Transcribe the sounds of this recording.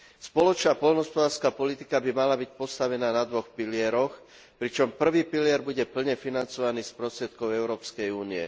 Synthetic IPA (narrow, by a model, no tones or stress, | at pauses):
spɔlɔt͡ʃnapɔʎnɦɔspɔd̪aːɾskaːpɔlit̪ikabimalabicpɔst̪aʋɛnaːnad̪ʋɔxpilɪɛɾɔx | pɾit͡ʃɔmpr̩ʋiːpilɪɛɾbuɟɛpl̩ɲɛfinant͡sɔʋaniːspɾɔst̪ɾjɛt̪kɔʊɛʊɾɔːpskɛjuːniɛ̰